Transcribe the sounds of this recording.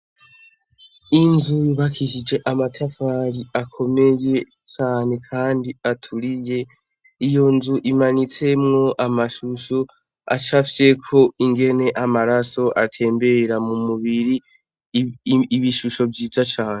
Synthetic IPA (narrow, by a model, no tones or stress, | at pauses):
inzuiβakʰiʃid͡ʒe̞ʔamatʰafaːɾiakʰo̞me̞je̞ | t͡ʃaːne̞kʰaːndiatʰuɾije̞ | ijo̞nzuʔimanit͡se̞mŋo̞ʔamaʃuʃo | a̰t͡ʃafi̥se̞kʰo̞iŋɡe̞ne̞ʔamaɾaso̞ʔatʰe̞ːmbe̞ɾamumuβiɾi | βiʃuʃo̞bjiːzat͡ʃaːne